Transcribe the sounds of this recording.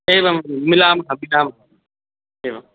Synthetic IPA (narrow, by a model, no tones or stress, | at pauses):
eːʋamɪlaːmkʰãːmɪlaːmkʰaː | eːʋa